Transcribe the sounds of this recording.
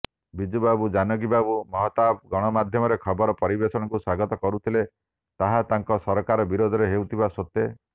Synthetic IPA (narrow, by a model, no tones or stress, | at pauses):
bid͡ʒubabud͡ʒanɔɡibabumɔɦɔt̪abɡɔɽ̃ɔmad̪ʱjɔmɔɾekʰɔbɔɾɔpɔɾibesɔɽ̃ɔkuswaɡɔt̪ɔkɔɾut̪ʰile | t̪aɦat̪aŋkɔsɔɾɔkaɾɔbiɾod̪ʱɔɾeɦewt̪ʰibasot̪e